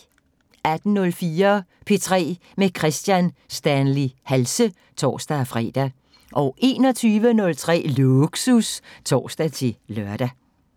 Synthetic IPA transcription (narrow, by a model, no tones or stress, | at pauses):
æd̥n̩nɔ̽lfiːɐpʰe̝t͡sʰʁɛ̰ː | mekʰʁɛsd̥jænsd̥ænlihælsə | t͡sʰɒ̰ːsd̥æfʁɛ̰ːd̥æ | ʔɒ̽ʔe̝ːnɒ̽t͡sʰyːʋənɔ̽lt͡sʰʁɛ̰ːluɡ̥sust͡sʰɒ̰ːsd̥æt͡sʰe̝lœɐ̰d̥æ